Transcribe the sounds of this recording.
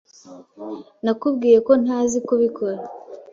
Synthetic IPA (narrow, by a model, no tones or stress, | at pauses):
nakubɡiːje̞ko̞n̥hazikoβiko̞ɾa